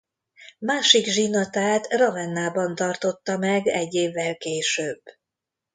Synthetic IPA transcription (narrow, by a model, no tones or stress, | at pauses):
maːʃiɡʒinɒt̪aːt̪rɒvɛnːaːbɒnt̪ɒrt̪o̞t̪ːɒmɛɡɛɟːeːvːɛlkeːʃøːbː